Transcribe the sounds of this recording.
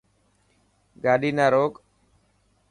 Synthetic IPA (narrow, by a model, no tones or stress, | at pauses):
ɡaːɗiːnaːɾoːk